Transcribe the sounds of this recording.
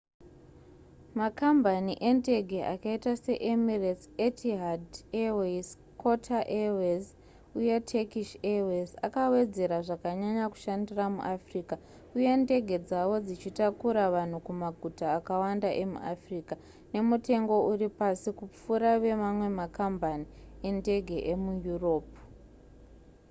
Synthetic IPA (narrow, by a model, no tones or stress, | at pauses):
makambʱaniʔe̞nde̞ɡʱe̞ʔa̰kaitase̞ʔemiresetiɦadewes | kʰo̞tʰaʔewez | ujetʰekiʃeweza̰kawe̞d͡ze̞ɾaʐakaɲaɲaku̥ʃandiramṵʔafriːka | uje̞nde̞ɡʱe̞d͡zawo̞d͡zit͡ʃitakuɾaʋan̤ukumaɡʱutaːkawandaʔe̞mṵʔafriːka | ne̞mute̞ŋɡo̞ʔuripasikup͡fuɾaʋe̞mamwe̞makambanie̞nde̞ɡʱe̞ʔemujuro̞ːp̚u